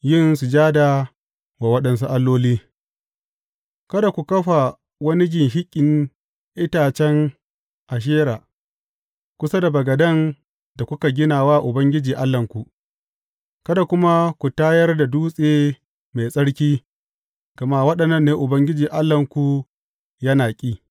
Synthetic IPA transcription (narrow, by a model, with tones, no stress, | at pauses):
jɪ˦˨nsu˨d͡ʒaː˦da˨ | waː˨wɐ˦ɗɐ˨nsu˦ʔa˦lːoː˦liː˦ | kɐ˦da˨kʷu˨kɐ˦ɸa˨ | wɐ˦ni˦ɡʲɪ˨ŋɦɪ˦kʲʼːɪ˨n | ʔɪ˦taː˨t͡ʃɛ˦ŋ | ʔa˨ʃ̬eː˦ɾaː˨ | kʷʊ˦sa˦da˨bɐ˨ɡɐ˨dɐ˦˨n | da˨kʷʊ˦ka˨ɡʲɪ˦naː˨waː˦ʔʊ˨bɐ˦ŋɡʲɪ˦d͡ʒiː˨ʔa˦lːɐ˨ŋkʷu˨ʔ | kɐ˦da˨kʷʊ˦ma˦kʷu˨taː˦jɐ˦rda˨duː˦sʼeː˦ | ma˨jsʼɐ˦ɽkʲiː˦ | ɡ̥ɐ˨ma˦wɐ˦ɗɐ˨nːɐ˦nːeː˦ʔʊ˨bɐ˦ŋɡʲɪ˦d͡ʒiː˨ʔa˦lːɐ˨ŋkʷu˨ | jɐ˦naː˨kʲʼiː˦